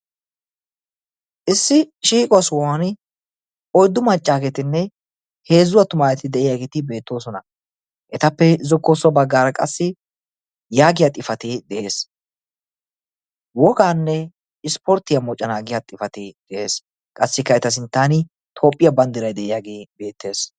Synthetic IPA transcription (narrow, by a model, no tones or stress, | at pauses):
ʔɪsːɪʃiːkʼɔɐswɔwan | ɔjd̪ːʊmɐt͡ʃʼːaːɡɛt̪ɪnːɛ | he̞ːzːʊwɐt̪ʊmaːjɛt̪ɪd̪ɛʔɪjaːɡɛt̪ɪbe̞ːt̪ːo̞ːsɔnɐ | ʔɛt̪ɐpːɛzɔkːoːsʊɐbɐɡːaːɾɐkʼɐsːɪ | jaːɡɪjat̪ʼɪfɐt̪ɪd̪ɛʔe̞ːs | wɔɡaːnːɛ | ɪspɔɾt̪ɪjɐmɔt͡ʃʼːɐnaːɡɪjaːt̪ʼɪfɐt̪ɪd̪̥ɛʔe̞̰ːs | kʼɐsːɪkːɐɛt̪ɐs̬ɪnt̪ːaːnɪ | t̪ʰo̞ːpʼːɪjɐbɐnd̪ɪɾɐjd̪ɛʔɪjaːɡibe̞ːt̪ːe̞ːs